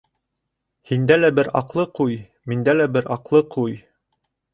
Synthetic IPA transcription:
hind̪ælæbɘɾɑ̰qlˠɤquj | mind̪ælæbɘɾʔɑqlˠɤqʰuj

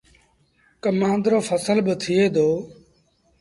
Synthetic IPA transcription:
kəmãːnd̪ɾoːfʰəsəlbət̪ʰɪeːd̪oː

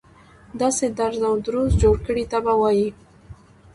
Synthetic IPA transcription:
d̪ɑsed̪aɾzawd̪ɾuzd͡ʒoɽkəɽit̪abawɑji

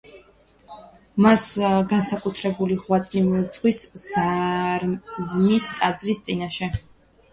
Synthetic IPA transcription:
masɡansakʼut̪ʰɾɛbuliʁwat̪sʼnimiut̪sʰχwisz̥a | zmist̪ʼad̪zɾist̪sʼinaʃɛ

